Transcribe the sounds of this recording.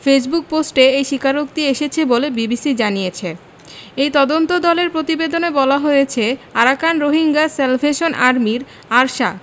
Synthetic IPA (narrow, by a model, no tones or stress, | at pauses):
fes̬buk̚posʈeejʃikʰaɾok̚t̪ieʃet͡ɕʰebolebibisid͡ʑanijet͡ɕʰe | ejt̪ɔd̪ont̪od̪ɔleɾpɾot̪ibed̪onebɔlaɦojet͡ɕʰeaɾakanɾoɦiŋɡaselfʰeʃonʔaɾmiɾ | aɾʃa